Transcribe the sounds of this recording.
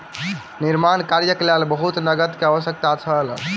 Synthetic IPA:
niɾmankaɾjəklalbəɦut̪nəɡət̪keaʋəsjək̚t̪at͡ʃʰəl

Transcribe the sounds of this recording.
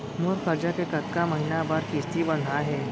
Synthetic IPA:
muɾkəɾd͡ʑakekət̪kaməɦinabaɾkist̪ibənd̪ʱaɦɛ

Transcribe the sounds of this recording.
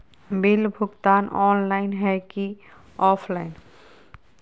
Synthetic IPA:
bilbʱuɡt̪anʔɔnlajnɦɛki | ɔpʰlajn

